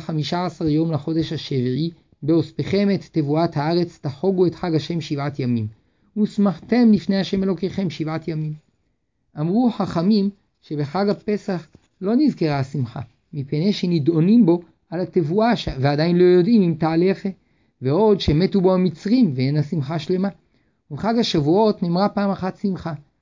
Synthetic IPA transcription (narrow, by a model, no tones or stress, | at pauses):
χamiʃaːsaʁjo̞mlaχo̞de̞ʃhaʃevii | beo̞speχe̞met̪ːevuathaaʁe̞t͡staħo̞ɡuetħaɡaʃe̞mʃivatjamim | usmaħt̪e̞mlifnejhaʃe̞me̞lo̞keχe̞mʃivatjamim | ʔamʁuħaχamim | ʃe̞beħaɡape̞saχ | lo̞nizke̞ʁaasimχa̰ | mipene̞ʃenido̞nimbo̞ | alatevuaʃveadainlo̞jo̞dimimt̪aːle̞χe | veo̞dʃemetubohamit͡sʁimveenasimχaʃle̞ma | uveχaɡhaʃavuo̞tnimʁapaːmaχatsimχa